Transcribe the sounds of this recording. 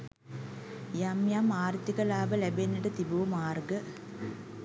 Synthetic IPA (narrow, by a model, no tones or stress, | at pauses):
jamjamaːrt̪ikɐlaːbɐlebenːiʈɐt̪ibuʋɐmaːrɡə